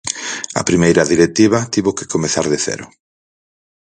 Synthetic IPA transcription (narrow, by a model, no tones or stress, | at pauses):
ɐ̰pɾimejɾɐðiɾet̪iβɐt̪iβokɪ̥komeθaɾðeθɛ̰ɾʊ̰